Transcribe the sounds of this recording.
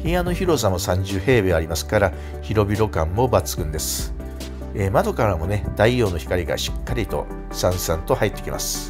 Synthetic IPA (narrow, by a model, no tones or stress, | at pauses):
hijano̞çiɾo̞samo̞sãɲ̟d͡ʑɨːhe̞ːbeaɾʲimasɨ̥kaɾa | çiɾo̞bʲiɾo̞kãmːo̞bat͡sɨ̥kɯ̟̃nd̪e̞sɨ̥ | eːmad̪o̞kaɾamo̞ne̞d̪̥aijo̞ːno̞çi̥kaɾʲiɡa̰ɕi̥kːaɾʲit̪o̞̰ | sãɰ̃sãnt̪o̞hait̪ːe̞kʲima̰sɨ̥